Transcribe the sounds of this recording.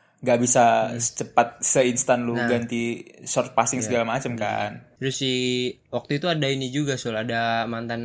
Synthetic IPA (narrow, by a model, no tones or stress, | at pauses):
ŋɡaʔbisat͡ʃəpat̪̚səinst̪anluɡant̪isɔrt̪̚pasɪŋsəɡalamat͡ʃəmka̰nt̪ɾʊsːi | wak̚t̪uit̪uadainid͡ʒuɡasɔladamant̪an